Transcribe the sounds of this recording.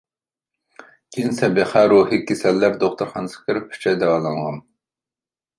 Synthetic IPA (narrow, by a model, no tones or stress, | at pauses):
ɡʲinsɛbeqʰæɾuːhikʲːesɛlːæɾd̪oχt̪ʊɾχɑnɨsə̥kʲʰɪɾɪp̚ʰy̥t͡ʃʰɛjd̪ɛɑlˠɑnʁɑn